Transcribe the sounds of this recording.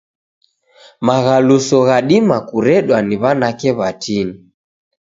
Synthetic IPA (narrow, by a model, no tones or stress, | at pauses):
maɣalusɔɣaɗimakuɾɛɗwaniβanakɛβatini